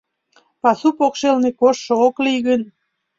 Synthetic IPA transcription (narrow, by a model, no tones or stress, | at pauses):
pɑsupokʃelnekoʃːŏoklijɣən